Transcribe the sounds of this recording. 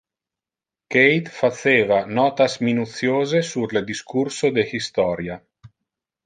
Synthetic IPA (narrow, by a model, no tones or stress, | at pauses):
kejt̪fat̪seːvanɔːt̪asminut̪sjoːzesurled̪iskuɾsod̪ehist̪ɔːɾja